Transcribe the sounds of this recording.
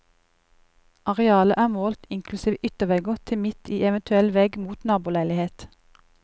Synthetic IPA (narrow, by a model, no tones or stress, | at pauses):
ʔɑʁɛɑːləʔæːmoːlt̪ɪŋkʰlʉsiːʋəʔʏt̪əʋɛɡʊʁt̪ʰɪmɪt̪ʰiːɛʋənt̪ʰʉɛlʋɛɡmuːt̪nɑːbuːlæɪlɪheːt̪